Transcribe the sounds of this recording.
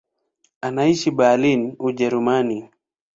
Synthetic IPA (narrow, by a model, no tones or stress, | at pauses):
anaiʃibaːlinuʄɛɾumani